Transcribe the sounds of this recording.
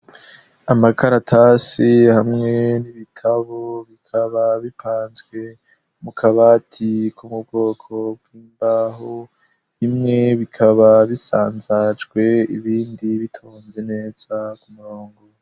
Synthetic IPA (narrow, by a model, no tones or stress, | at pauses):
amakaɾatʰasihamŋe̞niβitʰaβoβikʰaβaβipʰaːnzɡwe̞ | mukʰaβatʰikʰumub̚ɡo̞ːkʰob̚ɡiːmbaɦo | himŋe̞βikʰaβaβisa̰ːnzad͡ʒɡwe̞iβiːndiβitʰoːnze̞ne̞ːz̥akumuɾoːŋɡo